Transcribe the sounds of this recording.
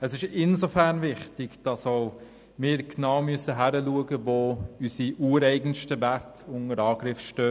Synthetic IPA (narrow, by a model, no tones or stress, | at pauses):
ɛsɪʃɪnsofæɾnvɪχtɪɡd̥ɑsoʊ | mɪːɾknaʊmyəsəɦæɾəluəɡəvoːysiʔuːəɾɛɪɡn̩ʃtəvæɾtʊŋəɾɑːɡɾɪfʃtøː